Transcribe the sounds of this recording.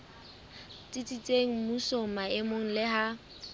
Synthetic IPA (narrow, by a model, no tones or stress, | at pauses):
t͡sʼit͡sʼit͡sʼeŋ̩musomaɪmoŋ̩lɪha